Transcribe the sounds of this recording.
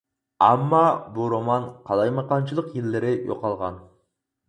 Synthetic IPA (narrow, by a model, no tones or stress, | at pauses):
æmːɑbuɾomɑnqʰɑlˠɑjmɑqɑnt͡ʃʰilˠəqjilːɪɾɪjo̰qɑlˠʁɑ̰n